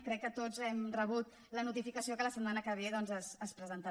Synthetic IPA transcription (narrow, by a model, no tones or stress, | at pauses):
kɾɛkːət̪ozɛmrəβ̞ut̪ | lənut̪ifikəsiokələsəd̪manəkəβeðɔnzəsəspɾəzənt̪ə